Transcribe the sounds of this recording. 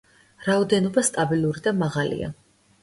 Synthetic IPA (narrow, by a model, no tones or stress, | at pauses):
ɾaɔd̪ɛnɔbast̪ʼabilˠuɾid̪amaʁalḭa̰